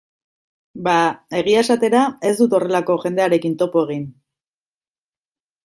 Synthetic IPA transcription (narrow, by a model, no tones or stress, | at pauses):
bae̞ɣ̞iaesat̪e̞ɾae̞zd̪ut̪o̞re̞lako̞ʝe̞nd̪e̞aɾe̞kint̪o̞po̞e̞ɣ̞in